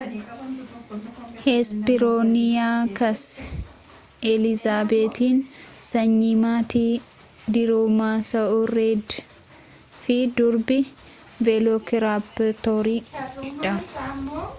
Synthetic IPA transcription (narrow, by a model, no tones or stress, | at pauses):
hespɪɾoːnɪjaːkɐs | ɛlɪzaːbeːt̪iːnsɐɲːimaːt̪iː | d̪ɪɾoːmaːsɐʔuːɾeːd̪ | fɪd̪ʊɾbɪ | veːloːkɪɾaːbt̪oːɾiːd͡ʒɛᶑɐ